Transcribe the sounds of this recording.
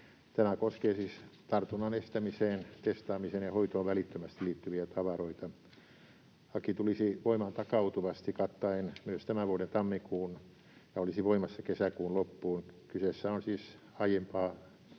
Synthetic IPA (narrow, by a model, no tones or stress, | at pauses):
t̪æmækoskeːsiːst̪ɑrt̪unːɑnest̪æmiseːnt̪est̪ɑːmiseːnjɑhoit̪oːʋʋælit̪ːømæst̪iliːt̪ːyʋiæt̪ɑʋɑroit̪ɑ | hɑkit̪ulisiʋoimɑnt̪ɑkɑut̪uʋɑst̪ikɑt̪ːɑenmyøst̪æmæʋuoɾent̪ɑmːikuːn | jɑolisiʋoimɑsːɑkesækuːnlopːuːnkysesːæonsiːs | ɑijempɑː